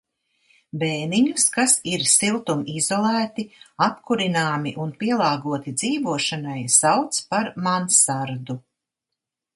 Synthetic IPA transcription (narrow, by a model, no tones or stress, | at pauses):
beːniɲuskasiɾsilˠt̪umizɔlˠæːt̪iapkuɾinaːmiʔunpiɛlˠɑːɡuɔt̪id̪z̥iːvuɔʃanajsawt̪spaɾmansaɾd̪u